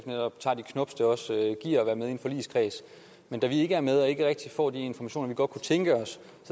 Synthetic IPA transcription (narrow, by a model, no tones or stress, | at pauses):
nedɒ̽b̥t͡sʰɑ̰̈ːd̥ikʰnɔ̽b̥sd̥eɒ̽søɡ̥ḭɐ̰ɒʋæːɐmeðˠe̝̰n̩fɒ̽lḭːskʰʁɛ̰ːs | mend̥æʋie̝ɡ̥əæɐmeð̞ˠɒ̽e̝ɡ̥əʁeɡ̥̚d̥ifɒ̰ːd̥ie̝nfɒmæɕo̝̰ːnɐʋiɡ̥ɒ̽d̥̚kʰut͡sʰeŋɡ̥əɒ̽s | sɒ